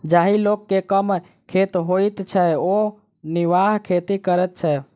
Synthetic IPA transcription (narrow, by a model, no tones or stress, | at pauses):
d͡ʒaɦilokːekəm | kʰet̪ɦoit̪t͡ʃʰɛo | niʋaɦkʰet̪ikəɾɛt̪̚t͡ʃʰɛ